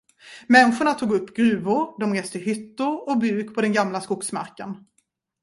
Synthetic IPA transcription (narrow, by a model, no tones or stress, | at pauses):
mɛnɧʊɳat̪ʰuːɡɵpːɡɾʉ̟ːvʊɾd̪ɔmɾeːst̪ɪɦʏt̪ːʊɾɔbʉ̟ːkpʰɔd̪ɛnɡamlaskʊksma̰ɾkən